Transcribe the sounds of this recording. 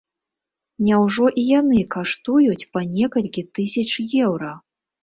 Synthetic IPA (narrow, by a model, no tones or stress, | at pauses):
nʲawʐɔʔijanɨkaʂt̪ujut͡sʲpanʲɛkɐlʲkʲit̪ɨsʲɐt͡ʂjɛwɾɐ